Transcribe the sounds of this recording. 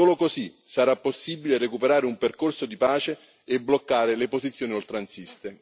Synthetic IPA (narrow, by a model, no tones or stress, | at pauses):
oːlokozisaɾapːosːiːbilerekupeɾaːɾeumperkorsod̪ipaːt͡ʃeː | blokːaːɾelepozit̪sːjoːniolt̪ɾansist̪e